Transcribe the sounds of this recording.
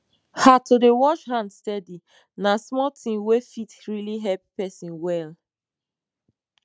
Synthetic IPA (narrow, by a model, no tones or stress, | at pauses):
hatodewɔʃhãndstɛdi | nasmɔtʰĩŋwefitɹiliɦɛppɛsĩnwɛl